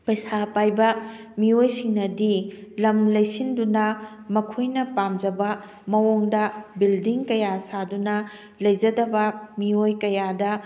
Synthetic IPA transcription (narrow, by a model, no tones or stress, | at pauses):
pɐjsapajbɐ | miojsiŋnɐdilɐmlɐjsindunɐ | mɐkʰojnɐpamd͡ʒɐbɐ | mɐwoŋdɐbildiŋkɐjasadunɐ | lɐjd͡ʒɐdɐbɐmiojkɐjadɐ